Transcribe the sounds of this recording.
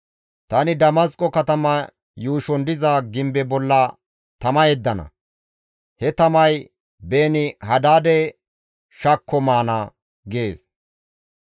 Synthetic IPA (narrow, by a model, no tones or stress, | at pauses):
t̪ɐnɪd̪ɐmɐskʼːɔkɐt̪ɐmɐ | juːʃɔnd̪ɪzɐɡɪmbɛbɔlːɐ | t̪ɐmɐjɛd̪ːɐnɐ̰ | hɛt̪ɐmɐj | beːnɪhɐd̪aːd̪ɛ | ʃɐkʰːɔmaːnɐ | ɡeːs